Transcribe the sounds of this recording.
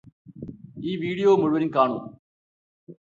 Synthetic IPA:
iːʋiːɽijoːmʊɻʊʋɐɾɪnkaːɳṵ̃ː

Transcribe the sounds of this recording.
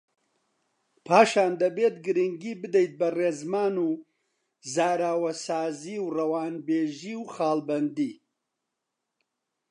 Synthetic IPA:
pʰaːʃaːnd̪ɐbeːt̪ɡɨɾiŋɡiːbɨd̪ejt̪̚bɐreːzmaːnuː | zaːɾaːwɐsaːziːwrɐwaːnbeːʒiːwxaːlbɐnd̪iː

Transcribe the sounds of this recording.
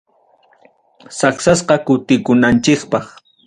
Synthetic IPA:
saksasqɑkʊt̪ɪkʊnant͡ʃɪkpɑχ

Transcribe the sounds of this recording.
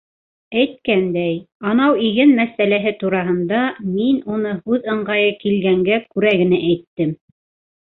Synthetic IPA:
æjt̪̚kænd̪æjɑnɑwiɡɘnmæsælæɦɘt̪uɾɑɦɤ̆nd̪ɑminunɤhʉðɤ̆ɴɢɑjɤkilɡæŋɡækʉɾæɡɘ̆næʔæjt̪ːɘm

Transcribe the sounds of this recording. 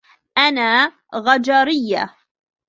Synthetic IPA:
ʔanaː | ɣad͡ʒaɾɪjːa̰

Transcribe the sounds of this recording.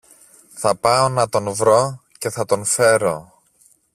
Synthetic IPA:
θɐpɐonɐt̪o̞nvɾo̞ce̞θɐt̪o̞nfe̞ɾo̞

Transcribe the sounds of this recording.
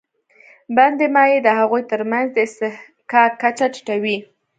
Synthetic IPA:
band̪emɑjed̪əɦaɣujt̪əɾmanzd̪əɪst̪ɪh | kɑkat͡ʃaʈi̥ʈawi

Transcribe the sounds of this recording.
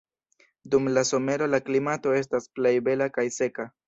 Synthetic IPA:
dumlaso̞me̞ɾo̞laklimato̞e̞s̬tasple̞jbe̞lakajse̞ka

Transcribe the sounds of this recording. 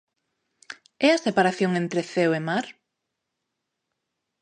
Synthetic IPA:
ɛɐsepaɾaθjoŋent̪ɾeθewemaɾ

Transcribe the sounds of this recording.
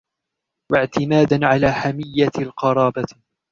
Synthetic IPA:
waʕt̪ɪmaːd̪anʕalaːħamɪjːalqɑɾˤɑːba

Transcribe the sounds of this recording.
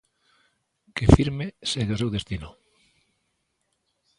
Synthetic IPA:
kefiɾmeseðos̬ewðest̪inʊ

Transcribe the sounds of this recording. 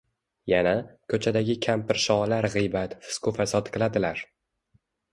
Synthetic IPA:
janakʰɵt͡ʃʰad̪aɡʲɪkʲʰampɪɾʃɒlaɾʁɨjbat̪fɪ̥skʰʊfasɒt̪kʰɨlˠad̪ɪlaɾ

